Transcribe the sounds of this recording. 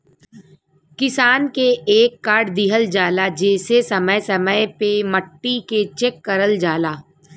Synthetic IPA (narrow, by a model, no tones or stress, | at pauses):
kɪsaːnkeeːkːaːɾɖd̪iɦəld͡ʒaːlad͡ʒeːsesɐməjsɐməjpeməʈːiket͡ʃeːkːɐɾəld͡ʒaːlaː